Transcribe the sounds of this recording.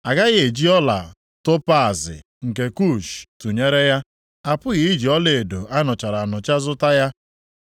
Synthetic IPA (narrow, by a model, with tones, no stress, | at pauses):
a˨ɡa˦ɣe˨d͡ʒi˦ɔ˦la̰˨ | to˦pa˦a˨zɪ̰˨ | ŋ̩˨ke˨ku˦˨t͡ʃtu˨ɲe˦ɾe˦ja˦ | a˨pʊ˦ɣɪ˨i˦d͡ʒi˨ɔ˦le˨e˨do˨a˦nʊ˨t͡ʃa˨ɾa˨nʊ˨t͡ʃa˦zʊ˦ta˦ja˦